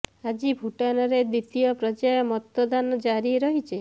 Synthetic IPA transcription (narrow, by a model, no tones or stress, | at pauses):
ad͡ʒibʱuʈanɔɾed̪it̪ijɔpɾɔd͡ʒajɔmɔt̪ɔd̪anɔd͡ʒaɾiɾɔɦit͡ʃʰe